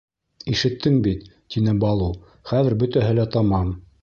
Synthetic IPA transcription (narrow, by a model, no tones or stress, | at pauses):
iʃɘ̆t̪ʰːɘŋbit̪t̪inɘbɑlˠu | χæðɘɾbɵ̆t̪æɦɘlæt̪ɑmɑm